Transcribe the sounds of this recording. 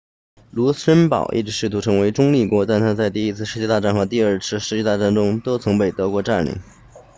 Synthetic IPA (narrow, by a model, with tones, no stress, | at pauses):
lu˧˥ʂə˥npɑ̰˨˩ʊʔḭ˥˩ʈ͡ʂɻ̩˧˥ʂɻ̩˥˩t̪ʰu˧˥ʈ͡ʂʰɤ˧˥ŋwe˧˥ɪʈ͡ʂʊ˥ŋli˥˩kwɔ˧˥t̪a˥˩nt̪ʰa˥t͡sa˥˧ɪt̪i˥˩i˥t͡sʰɹ̩˥˩ʂɻ̩˥t͡ɕjɛ˥˧t̪a˥˧ʈ͡ʂa˥˩nxɤ˧˥t̪i˥˧ə˞˥˩t͡sʰɹ̩˥ʂɻ̩˧˥t͡ɕɛ˥˧t̪a˥˧˩ʈ͡ʂa˥˩nʈ͡ʂʊ˥ŋt̪o˥ʊt͡sʰɤ˧˥ŋpe˨˩ɪt̪ɤ˧˥kwɔ˧˥ʈ͡ʂa˥˩nlḭ˨˩˦ŋ